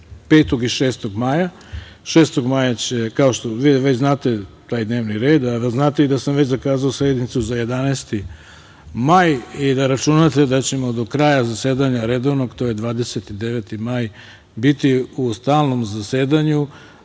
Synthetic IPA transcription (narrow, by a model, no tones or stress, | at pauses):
peːt̪o̞ɡiʃeːst̪o̞ɡmaja | ʃeːst̪o̞ɡmajat͡ɕekao̞ʃt̪oʋiʋet͡ɕznaːt̪e̞t̪aːjd̪ne̞ːʋniɾe̞ːd̪aznaːt̪e̞id̪asamʋet͡ɕzakaːzaosɾe̞d̪nit̪suzaje̞d̪aneːst̪i | majid̪aɾat͡ʃunat̪e̞d̪at͡ɕe̞mo̞d̪o̞kɾaːjazaseːd̪aɲaɾe̞d̪o̞ʋno̞ɡt̪o̞je̞d̪ʋaːd̪e̞set̪id̪e̞ʋet̪imaj | bit̪iust̪aːlˠno̞mzase̞ːd̪aɲu